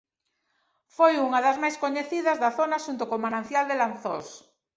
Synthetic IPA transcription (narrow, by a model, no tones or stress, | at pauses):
fojuŋaðɐzmajskoɲeθiðɐzðaθonaʃunt̪ʊkomanãnθjald̪elanθo̰s